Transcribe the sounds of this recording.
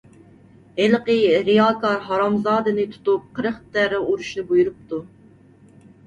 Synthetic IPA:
heləqəɾijɑːkʰɑɾɦɑɾɑmzɑːd̪ɨnɨt̪ʰu̥t̪up̚qʰəɾəχt̪æɾɛuɾuʃnɨbujuɾup̚t̪ʰu

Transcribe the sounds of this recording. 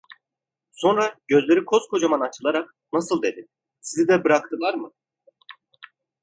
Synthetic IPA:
so̞nɾaɟø̞zlʲeɾikʰo̞z̥kʰo̞d͡ʒamanat͡ʃʰɯlˠaɾak | nasɯlˠd̪e̞d̪ɪ | sizid̪ɛbɯɾakt̪ʰɯlˠaɾmɯ

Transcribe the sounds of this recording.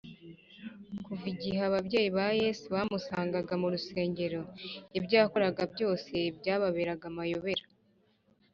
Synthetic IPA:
kuviɟiɦaβabɟe̞ːjiβajeːsuβaːmusaːŋɡaɡamuɾuse̞ːɲɟe̞ɾo̞ebɟaːko̞ɾaɡabɟo̞ːse̞bɟaːβaβeːɾaɡamajo̞βe̞ɾḁ

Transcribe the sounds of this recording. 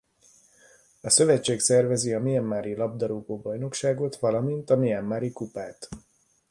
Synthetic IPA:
ɒsø̞vɛt͡ʃːeːksɛrvɛziɒmiɛmːaːɾilɒb̚d̪ɒɾuːɡoːbɒjno̞kʃaːɡo̞t̪ʋɒlɒmint̪ɒmiɛmːaːɾikupaːt̪

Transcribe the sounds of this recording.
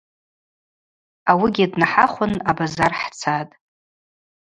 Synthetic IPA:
awiɡʲidnaħaχʷʊnabazarħt͡sʰatʼ

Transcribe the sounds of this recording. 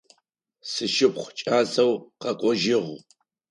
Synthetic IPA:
sɨʃɪpχʷt͡ʃʼaːzɐwqɐqʷʼɔʒɪʁ

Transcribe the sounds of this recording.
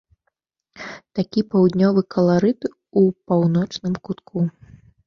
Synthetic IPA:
t̪akʲipawd̪ʲnʲɔvɨkɐlˠaɾɨt̪ | upawnɔt͡ʂnɨmkut̪kʰu

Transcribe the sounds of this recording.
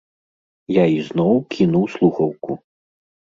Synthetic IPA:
jaiznɔwkʲʰinuwslˠuxɐwku

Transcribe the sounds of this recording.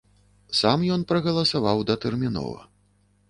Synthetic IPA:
samjɔn̪pɾɐɣɐlˠɐsavawd̪ɐt̪ɛrmʲinɔ̰vɐ̰

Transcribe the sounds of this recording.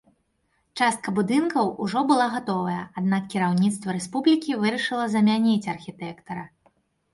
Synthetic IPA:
t͡ʂast̪̚kɐbud̪ɨnkɐwuʐɔbɨlˠaɣat̪ɔvɐjɐad̪nakkʲiɾawnʲit̪st̪vɐɾɛspublʲikʲivɨɾɐʂɨlˠɐzɐmʲanʲit͡sʲɐrxʲit̪ɛkt̪ɐɾɐ

